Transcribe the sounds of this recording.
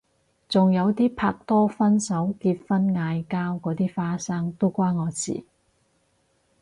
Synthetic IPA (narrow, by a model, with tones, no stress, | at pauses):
t͡sʊ˨ŋjɐ˨˧wt̪iː˥pʰaː˧k̚t̪ɔː˥fɐ˥nsɐ˨˥wkiː˧t̚fɐ˥nŋaː˧jkaː˥wkɔː˨˥t̪iː˥faː˥saː˥ŋt̪o˥wkʷaː˥nŋɔː˨˧t͡sḭː˨˩